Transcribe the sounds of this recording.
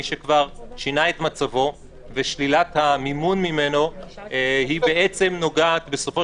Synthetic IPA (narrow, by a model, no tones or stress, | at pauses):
iʃekvaʁʃinae̞t̪mat͡savo̞ | veʃlilat̪hamimunmime̞no̞ | hibeet͡se̞mno̞ɡaːt̪be̞so̞fo